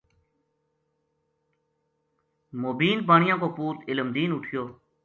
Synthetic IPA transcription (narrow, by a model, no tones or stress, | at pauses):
moːbiːnpaːɳɪjãːkoːpuːt̪ɪləmd̪iːnʊʈʰɪjoː